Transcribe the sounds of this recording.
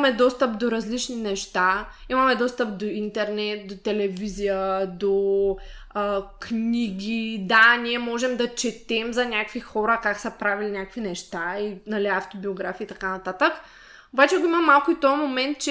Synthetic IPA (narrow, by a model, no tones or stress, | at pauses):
mɛd̪ɔst̪əpd̪oɾɐzlit͡ʃninɛʃt̪aimɐmɛd̪ɔst̪əp̚d̪oint̪ɛɾnɛt̪̚d̪ot̪ɛlɛvizijəd̪o | kniɡʲid̪aniɛmɔʒɛmd̪ɐt͡ʃɛt̪ɛmzɐnʲakvixɔɾəkaksɐpɾavilinʲakvinɛʃt̪ainɐliaft̪obioɡɾafiːt̪ɐkanɐt̪at̪ək | obat͡ʃɛɡoiməmːalˠkʊit̪omomɛnt̪̚t͡ʃɛ